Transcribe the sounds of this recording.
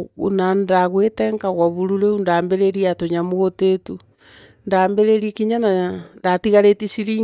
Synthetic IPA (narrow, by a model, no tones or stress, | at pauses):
unandaɣwetɛŋkaɣwaβuɾuɾeundaːmbeɾeɾiatoɲamoɣotetu | ndaːmbeɾeɾiekiɲanandatiɣaɾetisiɾi